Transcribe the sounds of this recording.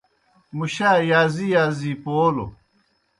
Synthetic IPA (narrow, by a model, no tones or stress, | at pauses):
muɕaːjaːzijaːziːpoːlo̰